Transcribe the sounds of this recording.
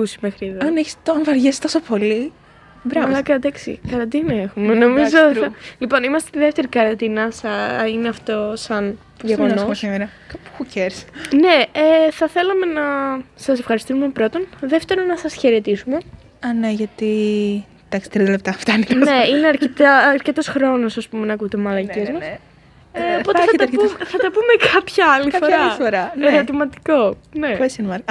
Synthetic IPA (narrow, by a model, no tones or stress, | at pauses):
kusimexɾiðɐneçi̥st̪onvɐɾʝest̪osopo̞li | bɾɐɐlɐkɐd̪ɐksḭkɐɾɐnd̪inɐe̞xumeno̞mizoot̪ɐlipo̞nimɐst̪et̪iðeft̪e̞ɾikɐɾɐnd̪inɐsɐineɐft̪o̞sɐn | ʝeɣonomsimeɾɐkɐpu̥xuceɾsne̞eθɐθe̞lɐme̞nɐsɐsefxɐɾist̪isume̞pɾo̞t̪o̞nðeft̪e̞ɾo̞nɐsɐsçe̞ɾe̞t̪isume̞ | ɐneʝɐt̪i | d̪̥ɐksi̥t̪ɾiðɐlep̚t̪ɐft̪ɐniknne̞ineɐɾket̪ɐːɾcet̪o̞sxɾo̞nosɐspume̞nɐkut̪emɐlɐiezmɐs | po̞t̪eθɐt̪ɐumθɐt̪ɐpumekɐpçɐɐlifoɾɐfoɾɐeɾo̞t̪imɐt̪i̥ko̞ | ne̞esinmɐɾ